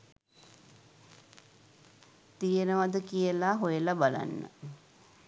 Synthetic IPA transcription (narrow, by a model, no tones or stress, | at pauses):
t̪ijənəʋad̪əkijəlaɦojəlabala̰nːə̰